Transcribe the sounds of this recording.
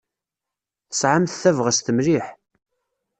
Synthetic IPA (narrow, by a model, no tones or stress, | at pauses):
θə̥sʕamθθævʁəst̪əmliħ